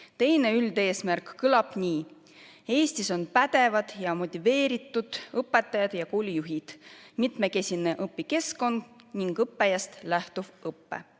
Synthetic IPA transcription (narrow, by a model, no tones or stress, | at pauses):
t̪e̞jne̞yld̪e̞ːsmærkkɯlɑb̥niː | e̞ːst̪iso̞npæd̪̥e̞vɑd̪̥jɑmo̞t̪ʲive̞ːɾit̪ːˑud̪̥ɤpːˑe̞t̪ːˑɑjɑd̪̥jɑkuːlʲijuɦid̪̥mit̪me̞ke̞sʲineʔɤpːike̞sko̞nd̪̥niŋɡ̥ɤpːe̞jɑst̪læht̪uv̥ɤpːḛ